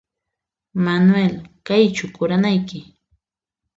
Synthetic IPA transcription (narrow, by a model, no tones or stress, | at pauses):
manʊwelkajt͡ʃʊkʊɾanajkɪ